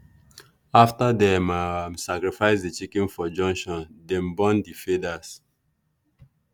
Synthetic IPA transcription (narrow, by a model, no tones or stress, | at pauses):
aftadɛmamsakɹifaɪsdit͡ʃikĩnfɔd͡ʒɔ̃ŋkʃɔ̃ndɛ̃mbɔ̃ndifedas